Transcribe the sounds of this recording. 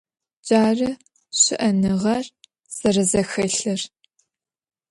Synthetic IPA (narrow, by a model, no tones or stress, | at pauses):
d͡ʒʼaːrɨ | ɕɪʔɐnɨʁɐr | z̥ɐrɐzɐxɐɬɨr